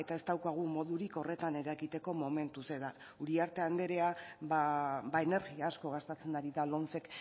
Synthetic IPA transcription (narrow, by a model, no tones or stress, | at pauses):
e̞t̪ae̞st̪awkaɣ̞umo̞ðuɾiko̞re̞t̪ane̞ɾakit̪e̞ko̞mo̞me̞nt̪use̞ða | uɾiaɾt̪e̞and̪e̞ɾe̞ababaene̞ɾɣiaːsko̞ɣ̞ast̪et͡se̞naɾiðalo̞nt͡se̞k